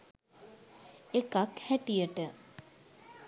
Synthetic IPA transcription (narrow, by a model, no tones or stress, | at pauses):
ekakhæʈijəʈə